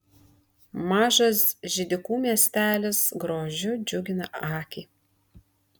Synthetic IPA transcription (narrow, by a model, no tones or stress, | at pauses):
mɑːʒɐsʒʲɪd̪ʲɪkuːmʲiɛsʲt̪ʲæːlʲɪsɡɾoːʒʲʊd͡ʒʲʊɡʲɪnɐʔɑːkʲiː